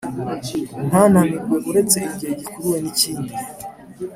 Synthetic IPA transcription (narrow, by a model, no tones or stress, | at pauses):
n̥aːnhaniɡwe̞ʔuɾe̞t͡se̞ibɟiheɟikuɾuwe̞niciːndi